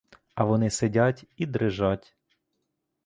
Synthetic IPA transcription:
ɐʋɔnɪsedʲatʲid̪ɾɪʒatʲ

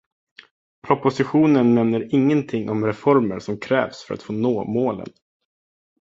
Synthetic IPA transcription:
pʰɾɔpʊsɪɧuːnənmɛmnːəɾɪŋːənt̪ʰɪŋːʔɔmɾɛfɔɾməɾʂɔmkʰɾɛ̰ːvsfœɾa̰t̪foːnoːmoːlə̰n

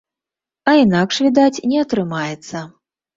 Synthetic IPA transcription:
ɐinakʂvʲid̪at͡sʲnʲɛɐt̪ɾɨmajɛt̪sːɐ

